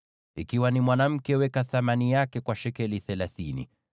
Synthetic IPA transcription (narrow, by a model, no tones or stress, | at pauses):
ikiwanimwanam̩kɛwɛkaθamanijakɛkwaʃɛkɛliθɛlaθinḭ